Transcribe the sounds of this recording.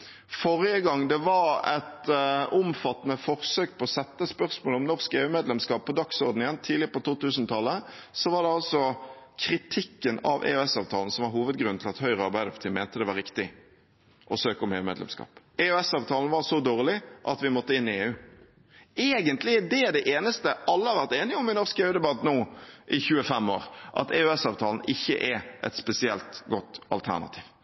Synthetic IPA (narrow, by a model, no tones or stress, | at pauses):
fɔʁɪəɡɑŋːd̪ɛʋɑɾɛ̰t̪ʊmfɑt̪ːnəfɔʁsøːk̚pʰɔɔsɛt̪ːəspœʁsmoːlɔmnɔʁskeːʉːmeːd̪lɛmskɑːppʰːɔd̪ɑksɔʁd̪n̩ɪjɛnt̪ʰiːlɪəpɔt̪uːt̪ʉːsnt̪ʰɑlːəsɔʋɑd̪ɛɑlsɔ | kʰɾɪt̪ʰɪkːənɑ̰ʋʔḛːʉɛsɑːʋt̪ʰɑːln̩sɔmʋɑɾɦuːʋəd̪̚ɡɾʉnʰɪlɑt̪hœʏʁəɑɾbæɪd̪ɛft̪ʰɪːmænt̪əd̪ɛʋɑɾɪkt̪ɪ | ʔɔsøːkəʊmheːʋəmeːd̪lɛ̰mskɑ̰ːp | ɛʉɛsɑːʋt̪ʰɑːln̩ʋɑʁsɔd̪oːʁlɪʔɑt̪ʋɪmɔt̪ːəɪnːɪeːʉː | eːɡənt̪lɪd̪ɛd̪ɛʔeːnəst̪əʔɑlːəhɑɾʋæʁt̪eːnɪʊmʋɪnɔʁskeːʉd̪ɛbɑt̪ːnuːʔɪçʉːəfɛmːo̰ːɾʔɑ̰t̪ɛʉɛsɑːʋt̪ʰɑːln̩ʔɪçːə̰ʔɛʔɛ̰t̪spɛsɪɛlt̪ɡɔt̪ːɑ̰lt̪ʰæ̰ʁnɑ̰t̪ʰi̥ːʋ